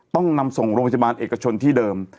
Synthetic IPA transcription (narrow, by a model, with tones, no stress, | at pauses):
t̪ɔ˥˩ŋna˧mso˨˩ŋɾo˧ŋpʰa˧˩˧a˧baː˧nʔeː˨˩ka˧t͡ɕʰo˧nt̪ʰiː˥˩dɤː˧m